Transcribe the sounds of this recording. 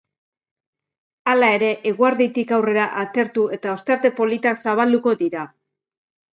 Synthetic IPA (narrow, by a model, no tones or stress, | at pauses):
alae̞ɾe̞ʔeɣ̞uaɾðit̪ikawre̞ɾaʔat̪e̞ɾt̪ue̞t̪ao̞st̪eɾt̪e̞po̞lit̪aksaβ̞ald̪uko̞ðiɾa